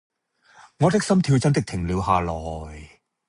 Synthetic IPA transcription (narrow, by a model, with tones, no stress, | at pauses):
ŋɔː˨˧t̪ɪ˥k̚sɐ˥mt̪ʰiː˧wt͡sɐ˥nt̪ɪ˥k̚t̪ʰɪ˨˩ŋliː˨˧wɦaː˨˧lɔː˨˩j